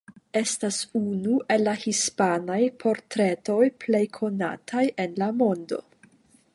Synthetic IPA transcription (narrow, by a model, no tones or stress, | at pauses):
e̞stasunuʔe̞lːahispanajpʰo̞ɾtɾe̞to̞jple̞jkʰo̞na̰tʰajenlamo̞ndo̞̰